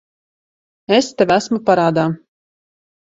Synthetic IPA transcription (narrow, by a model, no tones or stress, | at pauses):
est̪ɛʋʲæsmupaɾaːd̪aː